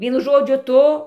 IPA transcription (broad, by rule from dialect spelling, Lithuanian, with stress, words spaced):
ˈʋʲiɛnʊ ˈʒoːd͡ʒʲʊ ˈtʊ